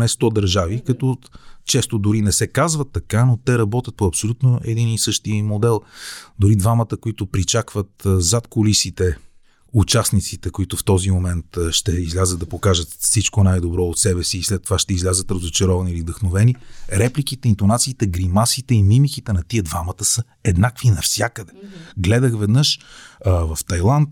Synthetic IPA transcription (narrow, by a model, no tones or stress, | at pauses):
nɛst̪ɔd̪ɐɾʒavikɐt̪ɔt͡ʃɛst̪od̪ʊɾinɛsɛkazvət̪ːɐkanot̪ɛɾɐbɔt̪ʲət̪̚poɐpsolʲut̪noɛ̰d̪inisɤʃt̪iəmod̪ɛlˠd̪ʊɾid̪vamət̪əkoit̪ʊpɾit͡ʃakvət̪zat̪kolisit̪ɛ | ut͡ʃasnit̪sit̪ɛkoit̪ʊft̪ɔzimomɛnt̪ʃt̪ɛizlʲazəd̪̚d̪ɐpokaʒət̪fsit͡ʃkonajd̪obɾɔot̪sɛbɛsiːslɛt̪ːovaʃt̪ɛizlʲazət̪ɾɐzot͡ʃɛɾɔvɐniilivd̪əxnovɛniɾɛplikit̪ɛint̪onat̪siːt̪ɛɡɾimasit̪ɛimimikit̪ɛnɐt̪iəd̪vamət̪əsə | ɛd̪nakvinɐfsʲjakəd̪ɛ̥ɡlɛd̪əxvɛd̪nɤʃ | vɐft̪ɐjlˠant̪̚